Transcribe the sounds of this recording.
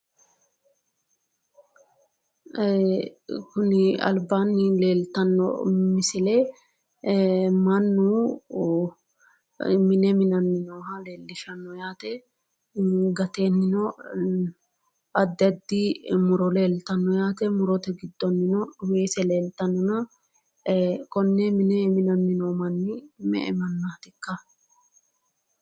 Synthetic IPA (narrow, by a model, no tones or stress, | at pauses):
kʊnɪɐ̰lbaːnːɪle̞ːlt̪ɐnːɔ̰mɪsɪle | mɐnːuː | mɪnɛmɪnɐnːɪnɔɦɐle̞ːlːɪʃɐnːɔjaːt̪ɛ | ɡɐt̪eːnːɪnɔ | ɐd̪ːɪɐd̪ːɪmʊɾɔleːlt̪ɐnːɔjaːt̪ɛmʊɾɔt̪ɛɡɪd̪ːɔnːɪnɔwe̞ːsɛleːlt̪ɐnːɔnɐ | kɔnːɛmɪnɛmɪnɐnːɪnoːmɐnːɪmɛ̰ʔɛ̰mɐnːaːt̪ɪkːɐ